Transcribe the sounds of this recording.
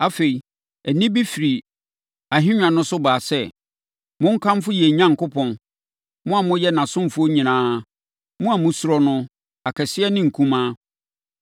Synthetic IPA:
a˦fe˨i˨ | æ˨nĩ˦bi˦fi˨ɾi˨ | a˨ɦɪ̃˦ɲᶣã˨nʊ̃˦sʊ˦baː˨sɛ˦ | mʊ̃˦ŋ̩˦kʰã˦m˦fʊ˦jɛ˨ɲã˦ŋ̩˨kʊ˦pʰɔ̃˨n | mʊ̃˦a˨mʊ̃˦jɛ˦nã˨sʊ̃˦m̩˨fʊ˦o˦ɲĩ˨nãː˦ | mʊ̃˦a˨mʊ̃˦su˨˦ɾɔ˦nʊ̃˦ | a˨kʰɛ˨sɪ˦ɛ˦nɪ̃˦˨ŋ̩˨kʰũ˦mãː˦

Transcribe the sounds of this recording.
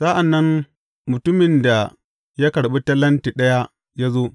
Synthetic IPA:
sa˦ʔa˨nːɐ˦n | mʊ˨tʊ˦mɪ˨nda˨ | ja˦kɐ˨ɽɓi˦tɐ˦lɐ˦nti˨ɗɐ˦ja˦ | ja˦zo˦

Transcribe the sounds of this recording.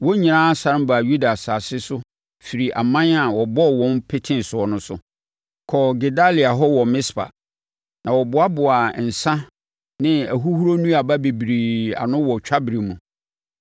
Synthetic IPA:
wɔ˦ɲĩ˨nãː˦sa˦ɾm˦ba˨ju˦da˨sa˨sɪ˦sʊ˦ | fi˨ɾi˨ʔa˨mã˦na˨wɔ˨bɔ˦˨wɔ̃˦npʰɪ˦tʰɪ̃˦n˨sʊ˨ɔ˨˦nʊ̃˦sʊ̰˨ | kʰɔ˨ɡe˨da˦li˨a˨ɦɔ˦wɔ˨mɪ̃˦spa̰˨ | nã˨wɔ˨bʊ˨˦a˦bʊ˨a˨n̩˨sã˦ | nɪ̃˦æ˨ɦu˦hu˦ɾo˦nũ˦a˨ba˦be˨bi˨ɾi˨a̰˨nʊ̃˦wɔ˨t͡ɕᶣʰa˦bɾi˨mũ˨

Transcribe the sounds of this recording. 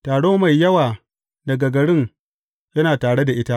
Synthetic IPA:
taː˨ɽoː˦ma˨jːɐ˦waː˨ | dɐ˨ɡɐ˨ɡɐ˨ɽɪ˦ŋ | jɐ˦naː˨taː˨ɽe˦da˨ʔɪ˦ta˦ʔ

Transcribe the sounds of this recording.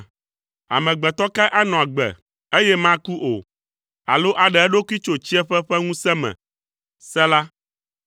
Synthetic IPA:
a̰˨mɛ̃˨ɡ͡bɛ˨t̪ɔ˦ka˦ʔa˦nɔ̃˨a˨ɡ͡bɛ̰˨ | e˦jɛ˦mã˦ku˦ʔo̰˨ | a̰˨lo˦ʔa˨ɖɛ˨ɛ˦ɖo˦ki˦t͡ʃo˨t͡ɕi˦ɛ˦ɸɛ˦ɸɛ˦ŋũ˦sɛ˦mɛ̰̃˨ | sɛ˦la˦

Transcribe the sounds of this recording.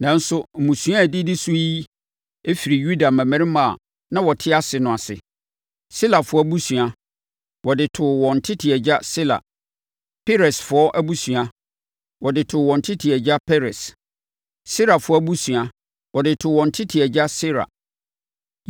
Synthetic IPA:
nã˨n̩˦sʊ˦m̩˨mũ˨sũ˦a˦˨dɪ˦dɪ˦su˦ji˦ | e˦fi˨ɾi˨ju˦da˨mɛ̃˨mæ̃˦ɾɪ˦mã̰˨ | nã˦wɔ˨tʰɪ˦a˦sɪ˨nʊ̃˨a˨sɪ̰˨ | si˦la˨fʊ˨˦ɔ˦bu˦su˨a˨ | wɔ˨dɪ˨tʰʊ˨wɔ̃˨n̩˨tʰɪ˦tʰɪ˨ɛ˨d͡ʑa˦sɪ˦la̰˨ | pʰɛ˦ɾɛ˨sfʊ˨ɔ˦ʔæ˦bu˦su˨a˨ | wɔ˨dɪ˨tʰʊ˨wɔ̃˨n̩˨tʰɪ˦tʰɪ˨ɛ˨d͡ʑa˦pʰɛ˦ɾɛ˨s | si˦ɾa˨fʊ˨˦ɔ˦bu˦sũ˨a˨ | wɔ˨dɪ˨tʰʊ˨wɔ̃˨n̩˨tʰɪ˦tʰɪ˨ɛ˨d͡ʑa˦si˦ɾa̰˨

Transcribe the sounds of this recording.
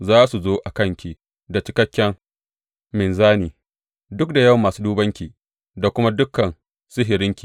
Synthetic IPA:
zaː˦su˨zoː˦ʔa˨kɐ˦ŋkʲi˨ | da˨t͡ʃɪ˨kɐ˦kʲːɛ˦ŋ | mɪ˨nzaː˦niː˨ | dʊ˦k̚da˨jɐ˦˨wmːaː˨suː˦duː˦bɐ˦ŋkʲiː˨ | da˨kʷʊ˦ma˦dʊ˦kːɐ˨n | sɪ˦ɦɪ˨ɾɪ˦ŋkʲiː˨

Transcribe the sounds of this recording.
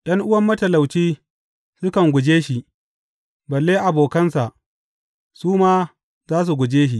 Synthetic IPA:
ɗɐ˦ŋʔʊ˦wɐ˦˨mːɐ˦tɐ˨la˨wt͡ʃiː˦ | sʊ˦kɐ˨ŋɡʷʊ˨d͡ʒeː˦ʃi˨ʔ | bɐ˨lːeː˦ʔa˨boː˨kɐ˦nsa˨ʔ | suː˦maː˦ | zaː˦s̬u˨ɡʷʊ˨d͡ʒeː˦ʃ̬i˦ʔ

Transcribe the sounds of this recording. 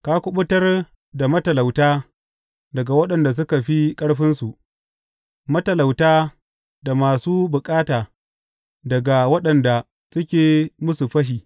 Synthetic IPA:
kaː˦kʷʊ˦ɓʊ˦tɐ˦r | da˨mɐ˦tɐ˨la˨wtaː˦ | dɐ˨ɡa˨wɐ˦ɗɐ˨nda˨s̬ʊ˦ka˨ɸi˦kʼɐ˦ɽɸɪ˦nsu˨ʔ | mɐ˦tɐ˨la˨wtaː˦ | da˨maː˨suː˦bʊ˨kʼaː˦taː˨ | dɐ˨ɡa˨wɐ˦ɗɐ˨nda˨ | sʊ˦kʲeː˨mʊ˦su˨ɸɐ˦ʃ̬iː˨

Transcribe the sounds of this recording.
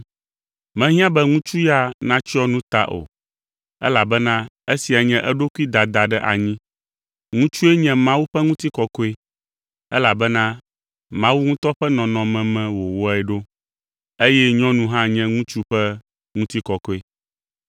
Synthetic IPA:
mɛ̃˦ɦĩ˦ã˦bɛ˦ŋũ˦t͡ʃu˦ja˦nã˦t͡ʃi˦ɔ˦nũ˦t̪a̰˦ʔo̰˨ | ɛ̰˦la˨bɛ˦nã˦e˦si˨a˨ɲɛ̃˦ʔɛ˦ɖo˦ku˦i˦d̪a˨d̪a˨ɖɛ˦ʔa̰˨ɲĩ˦ | ŋũ˦t͡ʃu˦ɛ˦ɲɛ̃˨mã˦wu˦ɸɛ˦ŋũ˦t̪i˦kɔ˦kɔ˦e˦ | ɛ̰˦la˨bɛ˦nã˦ | mã˦wu˦ŋũ˦t̪ɔ˦ɸɛ˦nɔ̃˨nɔ̃˨mɛ̃˨mɛ̃˨wo˨wɔ˦ɛ˨ɖo˦ | e˦jɛ˦ɲɔ̃˦nũ˦ɦã˦ɲɛ̃˦ŋũ˦t͡ʃu˦ɸɛ˦ | ŋũ˦t̪i˦kɔ˨kɔ˦e˦

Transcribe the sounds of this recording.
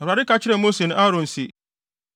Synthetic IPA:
ɔ˨ɾa˨ɾɪ˦ka˨˦t͡ɕʰɪ˦ɾɛ˨mo˦se˨ñ˦ʔa˦ɾɔ̃˨n̩˨si˨

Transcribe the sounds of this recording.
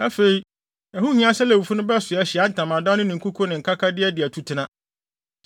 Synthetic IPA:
æ˦fe˨i˦ | æ˨hu˦ɲĩ˦ã˦sɛ˦lɛ˨wu˨fu˦nʊ̃˦bɛ˦sʊ˨ɛ˦ɕɪ˨a˦n̩˦˨tʰã˨mã˨dã˦nɪ̃˦nɪ̃˨ŋ̩˨kʰu˦kʰɔ˦nɪ̃˨ŋ̩˨kʰa˦kʰa˦dɪ˦ɛ˦dɪ˨æ˨tʰu˦tʰɪ˨˦nã˦

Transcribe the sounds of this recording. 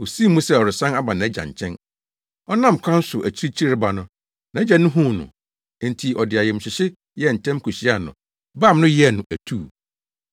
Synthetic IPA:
o˨si˦mũ˦sɛ˦˨ɔ˨ɾɪ˨sã˦na˦ba˨nã˨æ˦d͡ʑa̰˨ɲ̩˨t͡ɕʰɛ̃˦n | ɔ˦nã˦˨m˨kʷʰã˦n˦sʊ˨ʔæ˨t͡ɕʰi˦ɾi˦t͡ɕʰi˦ɾba˨nʊ̃˦ | nã˨˦d͡ʑɛ˨nʊ̃˦ɦũ˦˨nʊ̰̃˨ | n˨tʰi˨ɔ˨dɪ˨a˨jɛ˨m̩˨ɕᶣɪ˨ɕɪ˦ | jɛ˦˨n̩˨tʰɛ̃˦mkʰu˨ɕi˦a˦˨nʊ̰̃˨ | baː˦˨m˦nʊ̃˦jɛ˦˨nʊ̃˨ʔæ˨tʰuː˦˨

